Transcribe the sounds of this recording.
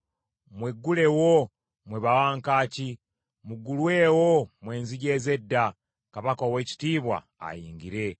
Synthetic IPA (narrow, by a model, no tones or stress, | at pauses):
mweɡːule̞wo | mweβawaːŋkaːci | muɡulweːwomwe̞ːnziɟezedːa | kaβakaweci̥tiːβwa̰ | a̰jiːŋɡiɾe̞